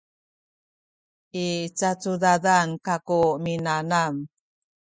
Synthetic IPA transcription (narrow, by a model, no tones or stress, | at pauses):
ʔit͡sat͡sudadankakuminanam